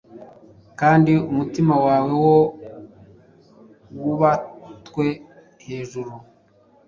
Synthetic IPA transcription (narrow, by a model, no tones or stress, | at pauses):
kaːndiumutimawaːwe̞wo | wuβatwe̞ | he̞ːʒuɾu